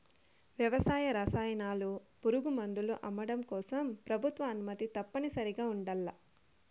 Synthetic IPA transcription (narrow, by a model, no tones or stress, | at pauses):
ʋjɐʋɐsaːjɐɾɐsaːjɐnaːlupuɾuɡumɐnd̪uluʔɐmːɐɽɐmkɔːsɐmpɾɐbʱut̪ʋɐːnumɐt̪it̪ɐpːɐnisɐɾiɡaːuɳɖɐlːɐ